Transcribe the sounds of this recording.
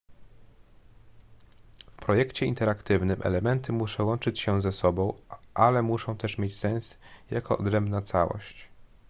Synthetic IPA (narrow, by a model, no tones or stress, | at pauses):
fpɾɔjɛkt͡ɕɛint̪ɛɾakt̪ɘvnɘmʔɛ̰lɛmɛnt̪ɘmuʂɛwɔnt͡ʂɘt͡ɕɕɛzɛsɔbɔ̃w̃ʔalɛmuʂɔ̃w̃t̪ɛʂmʲjet͡ɕsɛ̃w̃sja̰kɔɔd̪ɾɛmbnat̪sawɔ̰ɕt͡ɕ